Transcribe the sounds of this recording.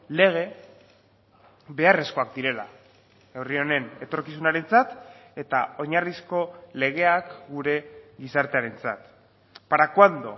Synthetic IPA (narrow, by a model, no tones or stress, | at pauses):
le̞ɣ̞e̞ | βe̞are̞sko̞ak̚d̪iɾe̞la̰ | e̞wrio̞ne̞ne̞t̪o̞ɾkisunaɾe̞nt͡sat̪e̞t̪ao̞ɲarisko̞le̞ɣ̞e̞akɡuɾe̞ɣisaɾt̪eaɾe̞nt͡sa̰t̪ | paɾakwand̪o̞̰